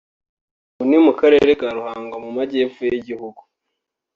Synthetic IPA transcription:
unimukaɾe̞ɾekaɾuhaːŋɡamumaɟeːfujiɟihuɡu

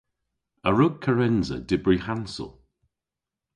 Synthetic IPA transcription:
əɹʊɡ̚kʰːəɹɛnzə̰dɪbɹihansə̰lˠ

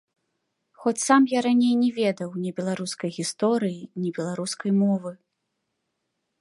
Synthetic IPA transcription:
xɔt͡sʲsamjaɾanʲejnʲɛvʲɛd̪ɐwnʲɛbʲɛlˠaɾuskɐjɣʲist̪ɔɾɨjinʲɛbʲɛlˠaɾuskɐjmɔvɨ

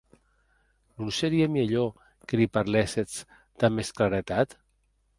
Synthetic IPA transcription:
nunseɾiemiʎo | kelipaɾleset͡s | d̪̥amesklaɾet̪at̪

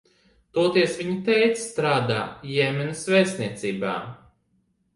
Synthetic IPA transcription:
t̪uɔt̪iɛsvʲiɲit̪ɛjt̪sst̪ɾaːd̪aːjɛmɛnɐsvɛːsniɛt̪siːba̰ː

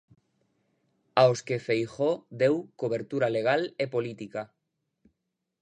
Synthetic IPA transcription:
aoskefejxod̪ewkoβ̞eɾt̪uɾaleɣ̞alepolit̪ika

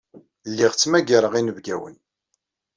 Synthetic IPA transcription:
lːiʁt͡sːmæɡaɾəʁinəvɡæ̰wə̰n

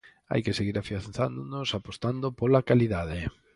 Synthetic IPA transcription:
a̰jkɪseɣiɾafjaθand̪onosapost̪and̪opolakaliðaðɪ

